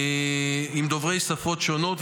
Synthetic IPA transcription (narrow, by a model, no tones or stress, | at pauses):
imd̪o̞vʁejsafo̞tʃono̞t̪v